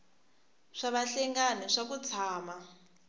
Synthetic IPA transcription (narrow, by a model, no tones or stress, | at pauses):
ʂaβaɬɛŋɡanɛʂak̬ut͡sʰaːma